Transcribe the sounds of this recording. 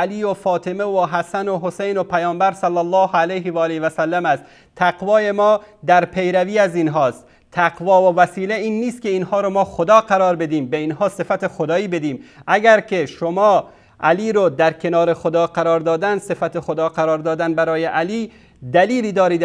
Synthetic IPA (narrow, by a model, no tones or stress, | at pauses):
æliːofɒːt̪ʰemevoɦæsænoɦosejnopʰæjɒːmbæɾsælːælːɒːhælejɦevɒːlevæsælːæmæst̪ | t̪ʰːæɡvɒːje̞mɒːd̪æɾpʰe̞jɾæviːæzinɦɒːst̪ | t̪ʰæqvɒːvovæsiːleiːnːiːst̪̚kʲe̞inhɒːɾomɒːxod̪ɒːqæɾɒːɾbe̞d̪iːmbeinɦɒːse̞fæt̪exod̪ɒːiːbe̞d̪iːmʔæɡæɾkʰe̞ʃomɒː | ʔæliːɾod̪æɾkʰe̞nɒːɾexod̪ɒːqæɾɒːɾd̪ɒːd̪ænsefæt̪exod̪ɒːqæɾɒːɾd̪ɒːd̪ænbæɾɒːjeʔæliː | d̪æliːliːd̪ɒːɾiːd̪